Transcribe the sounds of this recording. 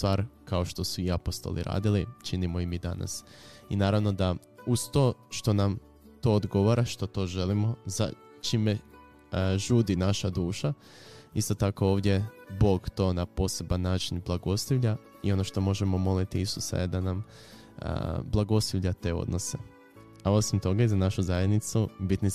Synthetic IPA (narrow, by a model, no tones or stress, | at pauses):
t̪ʋaːɾkao̞ʃt̪o̞suiapo̞st̪o̞̰lḭɾa̰ːd̪ilit͡ʃinimo̞imid̪a̰na̰sinaːɾaʋno̞d̪a | uz̥t̪o̞ːʃt̪o̞nam | t̪o̞ːod̪ɡo̞ʋoɾaʃt̪o̞t̪o̞ːʒe̞limo̞za̰ | t͡ʃime̞ | ʒuːd̪inaʃad̪uːʃa | ist̪o̞t̪ako̞oːʋd̪ʲjebo̞ːɡt̪o̞ːnapo̞ːse̞banːaːt͡ʃinblˠaɡo̞sliʋʎa | io̞no̞ʃt̪o̞mo̞ʒe̞mo̞mo̞lit̪iisusa̰je̞d̪anam̰ | blˠaɡo̞sliʋʎat̪e̞o̞̰d̪no̞se̞̰ | ao̞simt̪o̞ɡaizanaʃuzajed̪nit̪subit̪ni